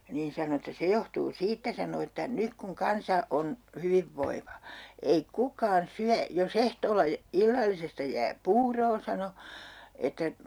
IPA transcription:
niːn sɑno etːæ se johtuː siːtːæ sɑno etːæ nyk kuŋ kɑnsɑ on hyʋiʋːoiʋɑ ei kukɑːn syæ jos ehtoːlːɑ jæ ilːɑlːisestɑ jæː puːroː sɑno etːæ

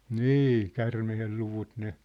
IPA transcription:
niː kærmehel luʋut ne

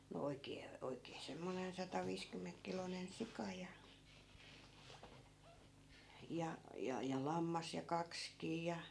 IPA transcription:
no oikˑeː oikˑeː semːonen sɑtɑʋiːskymːeŋkːilonen sikɑ jɑ jɑ jɑ jɑ lɑmːɑs jɑ kɑkskiː jɑ

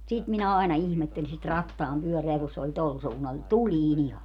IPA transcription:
sit minæ ɑˑenɑ ihmetːeli sit rɑtːɑːmpyøreæ ku se olʲ tol suːnːɑl ni tuliːn ihɑ

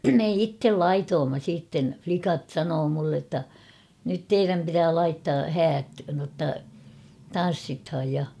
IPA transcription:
me itːel lɑitoːmːɑ siːtːen flikɑt sɑnoː mulːe tːɑ nyt teiræm pitæː lɑitːɑː hæːt notːɑ tɑn̞sːithɑj jɑ

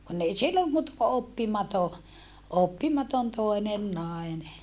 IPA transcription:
kunː ei silːom muːtɑ ko opːimɑto opːimɑton toenen nɑˑene

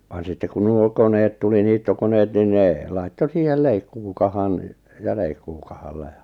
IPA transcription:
ʋɑn sitːe kun nuo koneːt tuli niːtːokoneːt nin ne lɑitːo siːhel leikːuːkɑhɑn jɑ leikːuːkɑhɑlːɑ̥ jɑ̥

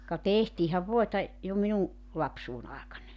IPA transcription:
kɑ tehtiːhæʋ ʋoetɑ jo minuŋ lɑpsuːn ɑˑekɑnɑ

